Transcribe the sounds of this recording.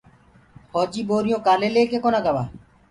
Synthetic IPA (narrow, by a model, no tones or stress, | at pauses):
fʰɔːd͡ʒiːboːɾɪjõːkaːleːleːkeːkoːnaːɡəʋaː